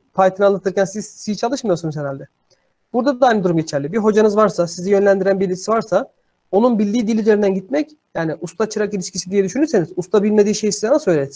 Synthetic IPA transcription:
pʰajt̪ʰɯnalˠat̪ʰɯɾcænsiz̥sijit͡ʃʰalˠɯʃmɯjoɾsunuzheɾalʲd̪ɛ | b̥uɾd̪ad̪aajnɯd̪uɾumɟe̞t͡ʃʰæɾlʲibiɦo̞d͡ʒanɯzvaɾsasizijø̞nlʲænd̪iɾænbiɾlʲicʰisivaɾsa | o̞nunbilʲd̪iːd̪ilʲyzeind̪ænɟit̪̚mɛc | jaːniʔust̪ʰat͡ʃʰɯɾakilʲiʃcʰisid̪ijɛd̪yʃynyɾse̞nizust̪abilʲme̞d̪iːʃe̞jisizanasøjlʲes

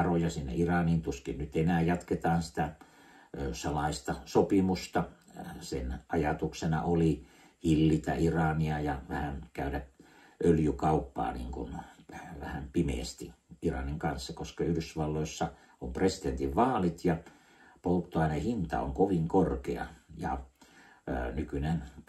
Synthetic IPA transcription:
rojɑsinːḛirɑnint̪uskinnyt̪enæːjɑt̪ket̪ɑːnsi̥t̪æ | øsɑlɑist̪ɑsopimust̪ɑsenʔɑjɑt̪uksenɑ̰oli | hilːit̪æ̰ʔirɑniɑjɑʋæhænkæyɾæ | ʔøljykɑupːɑ̰ːnḭːŋkunʋæhæmpimḛːst̪iʔirɑ̰niŋkɑnsːɑkoskɑyhɾysʋɑlːoisːɑ | ompresi̥t̪ent̪iʋʋɑːlit̪jɑ | polt̪ːoɑinehint̪ɑ̰o̰ŋkoʋiŋkorkḛɑ̰jɑ̰ | nykynen

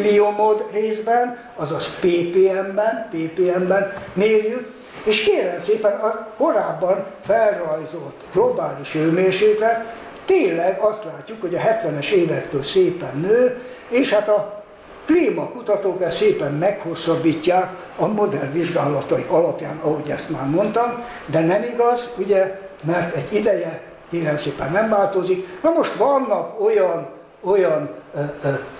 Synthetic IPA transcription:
liomod̪reːzbɛn | ɒzɒspeːpeːɛmbɛnpeːpeːɛmbɛnmeːljyk | eːʃkeːlɛmseːpɛnɒko̞ɾaːbːɒnfɛlrɒjzo̞lt̪ːɡ̥lo̞baːliʃøːmeːrʃeːkrɛt̪ | t̪eːnllɛɡɒst̪laːcːukho̞ɟɒɦɛt̪ʋɛnɛʃeːvɛkt̪øːlseːpɛnːøː | eːʃhat̪ɒ | kliːmɒkut̪ɒt̪oːkbɛseːpɛmːɛkho̞rsɒbːiːcːaːk | ɒmo̞d̪ɛrʋiʒɡaːlɒt̪ɒiɒlɒpja̰ːnɒɦo̞ɟɛ̰st̪maːrmo̞nt̪ɒm | d̪ɛnɛmiɡɒzuɟɛmɛrt̪ɛɟːid̪ɛjɛ | keːɾɛmseːpɛnːɛmvaːlt̪oziknɒmo̞ʃt̪ʋɒnːɒkojɒn | ojɒn

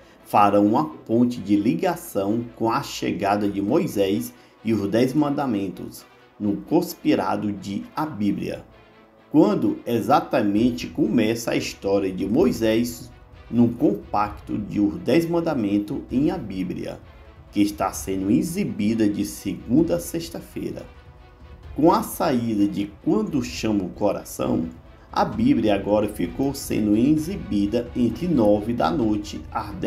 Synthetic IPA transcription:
faɾɐ̃w̃ũmɐpõnt͡ʃɪd͡ʒɪliɡasɐ̃w̃kõɐʃḛɡad̪ɐd͡ʒɪmojzɛjs | iʊzd̪ezmɐ̃nd̪amẽnt̪ʊ̰s | nʊkõspiɾa̰d̪ʊd͡ʒɪabiblḭɐ̰ | kwɐ̃nd̪ʊezat̪ɐmẽnt͡ʃɪkõmɛsɐa̰ist̪ɔɾiɐd͡ʒɪmojzɛjz | nʊ̃kõpakt̪ʊ̰d͡ʒɪʊd̪ezmɐ̃nd̪amẽnt̪ʊẽj̃ɐbiblḭɐ̰ | kɪːʃt̪asẽnd̪ʊizibid̪ɐd͡ʒɪsɪɡũnd̪ɐseʃt̪ɐfḛjɾɐ̰ | kõɐsaid̪ɐd͡ʒɪkwɐ̃nd̪ʊʃɐ̃mʊkɔɾa̰sɐ̰̃w̃ | ɐ̰bibliɐaɡɔɾɐfikowsḛ̃nd̪ʊĩzibid̪ɐẽnt̪ɾɪnɔvɪd̪ɐ̰nojt͡ʃɪad̪ɛ

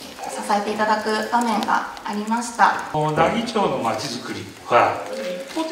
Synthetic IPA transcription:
sasaet̪e̞it̪ad̪akɯ̟bamẽ̞ŋɡa̰ːɾʲimaɕi̥t̪ad̪aɡʲit͡ɕo̞ːno̞mat͡ɕizɨkɯ̟ɾʲi | ɸɯɾa

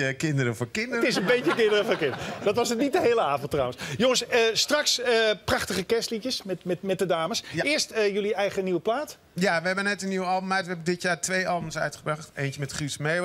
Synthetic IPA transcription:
əkɪndəɾəfʊːkɪndəətɪsənbejtəkɪndərəvʊkɪndəədɑtʋɑsətnit̚dəɦeːləaːvɔntːrɔwənsjoŋənsəstrɑksəprɑχtəχəkɛstlitəsmɛtmɛtmɛt̚dədaːməsɪːɹstəjøliɛjχəniʋəplaːt | jaʋəɦɛbənɛtəniwəɑlˠbəmɛjtʋəɦɛbəndɪtjaːrtʋejʔɑlˠbəmsœ̰ɥtχəbraχtejnjəmɛtχismej

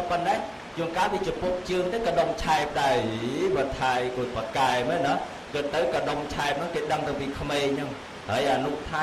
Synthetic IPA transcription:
ponːɛɛ | joəŋkaːɓiːt͡ɕopup̚t͡ɕɨəŋt̪eəkaɗomt͡ɕʰaɛp̚ɗaɛjɓət̪ʰajʔoːc̚pakaɛmɛːnɔ | kɨt̪̚t̪ːɨwkaɗomt͡ɕʰaɛp̚nɨŋkeːɗəŋt̪ɨŋpiːkʰmeːɲnɨŋ | həːəjʔanuʔt̪ʰa

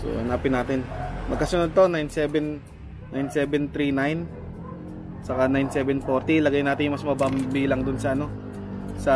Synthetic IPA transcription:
so̰hɐnaːpɪnːaːt̪ɪnmɐɡ̚kɐsʊnod̪̚t̪o̞najnsɛbɛn | nːajnsɛːbɛnt̪ɾinajn | sɐkanajnsɛːbɛnfoɾt̪ilɐɡajnaːt̪ɪnjʊŋmɐsmɐbambiːlɐŋd̪ʊnsɐʔɐno̞ | sɐ

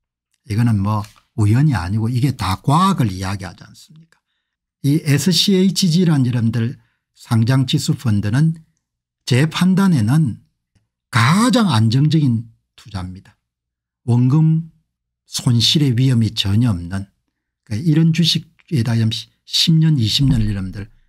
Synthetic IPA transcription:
iɡʌnɯnmwʌ | ujʌɲia̰ɲiɡoiɡe̞takwaɡɯɭijaɡiɦa̰d͡ʑia̰ns͈ɯmɲik͈ḁ | iesʰɯɕʰieit͡ɕid͡ʑiɾanjiɾʌmdɯɭ | sʰaŋd͡ʑaŋt͡ɕisʰupʰʌndɯnɯn | t͡ɕe̞pʰandane̞nɯn | kad͡ʑaŋand͡ʑʌŋd͡ʑʌɡin | tʰud͡ʑamɲid̥ḁ | wʌŋɡɯm | sʰonɕʰiɾe̞ɥiɦʌmit͡ɕʌɲʌʌmnɯn | kaiɾʌnt͡ɕuɕʰik̚ | edaɾʌmɕ | ɕʰimɲʌniɕʰimɲʌniɾʌmndɯɭ

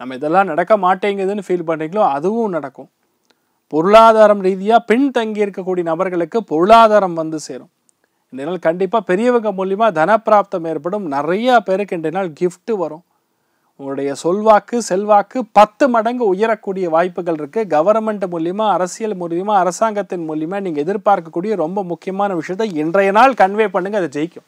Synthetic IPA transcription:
nɐmːɐɪðɛlːãːnɐɽɐkːɐmaːʈːeːŋɡɐɾɐðɯnːɯfiːlpɐɳːiːŋɡɐɭõːɐðɯʋɯ̃mnɐɽɐkːʊ̃ | pɔɾɯɭaːðaːɾɐmɾiːðɪjaːpɛɳt̪ɐŋɡɪjɪɾɯkːɐk̬ːuːɽijɐnɐbɐɾɣɐɭɯkːɯpɔɾɯɭaːðaːɾɐmʋɐnd̪ɯseːɾõ | ɛnɖɐnaːlkɐɳɖɪpːaːpɛɾɪjɐʋɐŋɡɐmʊljɐmaːd̪ʱɐnɐpːɾaːp̚t̪ɐmeːɾpɐɽɯmnɪɾɐjaːpɛɾɯkːɛɳɖrɐnaːlɡɪfʈɯʋɐɾõː | ɐɭɯɽɐjɐsɔlʋaːkːɯsɛlʋaːkːɯpɐt̪ːɯmɐɽɐŋɡɯʊjɐɾɐkːuːɽɪjɐʋaːjpːɯɣɐɭɪɾɯkːɯɡɐʋɐɾnmɛɳɖmʊljɐmaːɐɾɐsɪjɐlmʊljɐmaːɐɾɐsaːŋɡɐt̪ːɪnmʊljɐmaːniːŋɡɐɛðɪɾpaːɾkɐkːuːɽɪjɐɾɔmbɐmʊkːɪjɐmaːnɐʋɪʂɐjɐt̪ːɐɛndrɐjɐnaːlkɐɳʋeːjpːɐɳːɯŋɡɐðɐd͡ʒɛjɪkːʊ̃

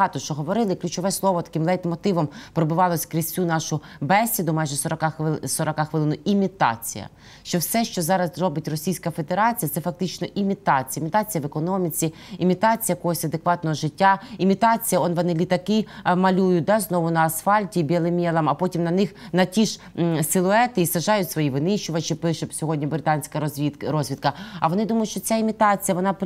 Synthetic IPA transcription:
ɑt̪ɔʃt͡ʃɔɦɔʋɔɾɪlˠɪklʲut͡ʃɔʋɛslˠɔʋɔt̪ɐ̥kɪmlˠɛjt̪mɔt̪ɪʋɔmpɾɔbɪʋɑlˠɔsʲkɾʲisʲt͡sʲunɑʃʊ | bɛsʲːid̪ʊmɑjʒɛsɔɾɔkɑxsɔɾɔkɑxʋɪlˠɪnʊʔimʲit̪ɑ̰t͡sʲḭjɐ̰ | ʃt͡ʃɔwsɛʃt͡ʃɔzɑɾɐzrɔbɪtʲrɔsʲijsʲkɐfe̞d̪eɾɑt͡sʲijɐt̪sɛfɐk̚t̪ɪt͡ʃnɔʔimʲit̪ɑt͡sʲijɐimʲit̪ɑt͡sʲijɐʋekɔnɔmʲit͡sʲiː | mʲit̪ɑt͡sʲijɐkɔɦɔsʲɐd̪ekʋɑt̪nɔɦɔʒɪtʲːaimʲit̪ɑt͡sʲijɐɔnʋɔnɪlʲit̪ɐkɪmɐlʲujʊt̚ʲd̪ɑznɔʋʊnɐːsfɑlʲtʲibʲɛlˠɪmʲɛlˠɐmɐpɔtʲimnɐnɪxnɐtʲiʃ | sɪlˠʊɛt̪ɪisɐʒɑjʊtʲsʋɔjiʋɪnɪʃt͡ʃʊʋɐt͡ʃɪpɪʃɛsʲɔɦɔdʲnʲibɾɪt̪ɑnʲsʲkɐiɾɔzʲʋʲid̪̚kɐɐʋɔnɪd̪umɐjʊtʃt͡ʃɔt͡sʲaimʲit̪ɑt͡sʲijɐʋɔnɑp

